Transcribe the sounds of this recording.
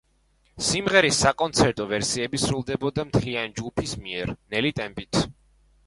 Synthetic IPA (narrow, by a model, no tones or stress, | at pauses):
simʁɛɾisːakʼɔnt̪sʰɛɾt̪ʼɔvɛɾsiɛbisɾulˠd̪ɛbɔd̪amt̪ʰlianid͡ʒɡupʰismiɛɾnɛlit̪ʼɛmpit̪ʰ